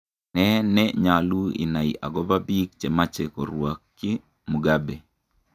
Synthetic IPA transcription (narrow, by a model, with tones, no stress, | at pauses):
nɛnɛɲa˨lu˦ḭ˨na˨ḭ˨ʔa˨ɡɔ˦babi˦k̚t͡ʃɛ˨ma˦t͡ʃekɔ̰˨ɾwakːi˦ | mu˨ɡabe˨